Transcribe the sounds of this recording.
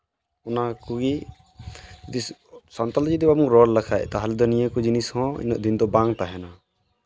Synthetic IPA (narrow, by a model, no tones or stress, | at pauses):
ɔnakuɡi | d͡ʒd̪isant̪ɔld͡ʒid̪ɛbabuŋɾɔllakʰaɛ̰t̪aɦald̪ɔnijəkɔd͡ʒinishɔ̃ḭnɔʔd̪ind̪ɔbaŋt̪aɦɛna